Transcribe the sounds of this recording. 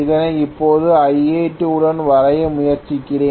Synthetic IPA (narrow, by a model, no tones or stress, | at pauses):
ɪðɐnɐɪpːoːðɯɐjeːʈːɯʊɽɐnʋɐɾɐjɐmʊjɐɾt͡ʃɪkːɪɽeː